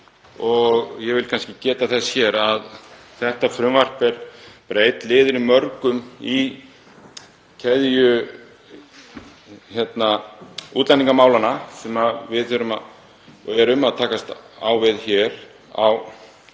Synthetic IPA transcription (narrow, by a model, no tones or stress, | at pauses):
ɔɣjɛvɪlkʰanskcɪcɛːt̪aθɛsçjɛːɾað | θɛht̪afɾʏmvar̥pɛɾpɾeːjt̪lɪːðʏɾɪmœɾkʏmi | cʰɛðjʏ | çɛt̪nauːt̪lɛniŋkamaːwlanasɛmavɪðθʏɾʏma̰ | ɛɾʏmaðt̪ʰaːkast̪aːwvɪðçɛɾ | a̰w